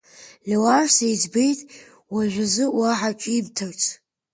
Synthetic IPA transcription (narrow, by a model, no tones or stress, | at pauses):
lʲewarsejd͡zbejtʼ | waʒᶣʷazɨwaħat͡ʃʷʼimtʰart͡sʰʼ